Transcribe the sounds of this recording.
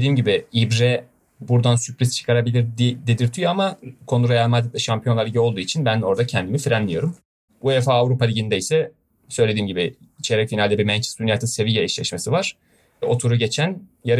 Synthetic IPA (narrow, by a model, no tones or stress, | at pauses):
d̪iːmɟibiibɾɛ | buɾd̪ansypɾizt͡ʃʰɯ̥kʰaɾabilʲiɾd̪ed̪iɾt̪ʰyjamakʰo̞nuɾajalˠmad̪it̪lʲɛʃampʰijo̞nˠaɾiɟɛo̞lˠd̪uːit͡ʃʰinbæno̞ɾd̪acʰɛnd̪imifiɾɛnlʲijo̞ɾum | bud̪efaːvɾupalʲiɟind̪ɛisɛ | sø̞jlʲe̞d̪iːmɟibi | it͡ʃʰeɾɛcfinalʲd̪ɛbiɾmænt͡ʃʰɛ̥st̪unjat̪ʰɯnse̞vijaiʃlʲɛʃmasɯvaɾ̥ | o̞t̪ʰuɾuɟe̞t͡ʃʰænjaɾɯ